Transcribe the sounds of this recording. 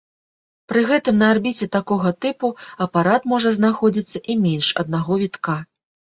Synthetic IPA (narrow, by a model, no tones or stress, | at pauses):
pɾɨɣɛt̪ɨmnɐarbʲit͡sʲɛt̪akɔɣɐt̪ɨpuɐpaɾat̪mɔʐɐznaxɔd͡zʲit̪sːɐʔimʲɛnʲʂɐ̰d̪̚naɣɔvʲit̪ka